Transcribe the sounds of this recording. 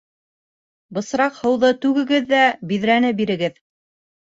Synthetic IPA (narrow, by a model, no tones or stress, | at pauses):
bɤ̆sɾɑqhɤ̆wðɤt̪ʉɡɘ̆ɡɘðːæbiðɾænɘbiɾɘ̆ɡɘð